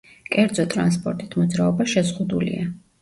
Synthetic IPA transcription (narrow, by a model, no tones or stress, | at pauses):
kʼɛɾd̪zɔt̪ʼɾanspʼɔɾt̪ʼit̪ʰmɔd̪zɾaɔbaʃɛzʁud̪ulḭa